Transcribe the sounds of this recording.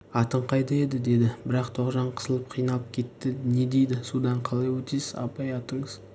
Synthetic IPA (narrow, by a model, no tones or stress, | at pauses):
ɑt̪əɴqʰɑjd̪ɑe̞d̪ɪd̪e̞d̪ɪbɪɾɑqt̪ʰoqʒɑɴqʰə̥zəlˠəp̚qʰijnɑlˠəp̚kʲʰe̞t̪ːɪne̞d̪e̞jd̪ɪsud̪ɑɴqʰɑlˠɑjwɵt̪ijsɪzɑ̰pɑjɑt̪əɴəz̥